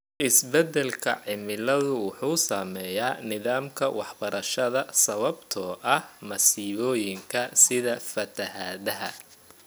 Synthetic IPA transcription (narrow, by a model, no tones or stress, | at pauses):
ʔɪsbɛd̪ɛlkʰɐ̰ʕɪmɪlɐðʊwʊħuːsaːmɛːjaːnɪðaːmkʰɐwɑħbɐɾɐʃɐðɐsɐβɐbt̪ʰɔːʔɐhmɐsiːβɔːjɪŋkʰɐsɪðɐfɐt̪ʰɐhaːðɐɦɐ